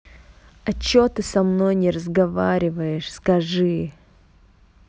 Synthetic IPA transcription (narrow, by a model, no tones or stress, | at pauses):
ɐt͡ɕːot̪ɨsɐmnojnʲɪɾəzɡɐvaɾʲɪvəjɪʂskɐʐɨ